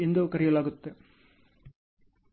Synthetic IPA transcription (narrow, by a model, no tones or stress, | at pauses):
end̪ɐkɐɾɪjɐlaːɣɯt̪ːɯ